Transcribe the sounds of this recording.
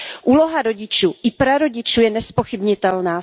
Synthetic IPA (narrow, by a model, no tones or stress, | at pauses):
ʔuːloɦaɾo̞ɟɪt͡ʃuːʔɪpɾaɾo̞ɟɪt͡ʃuːjɛnɛspoxɪbɲɪt̪ɛlnaː